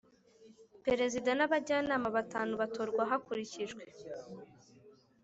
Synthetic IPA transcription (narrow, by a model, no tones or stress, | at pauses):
pe̞ɾe̞zidanaβaɟaːnaːmaβataːnuβato̞ɾɡwaɦakuɾiciʒɡwe̞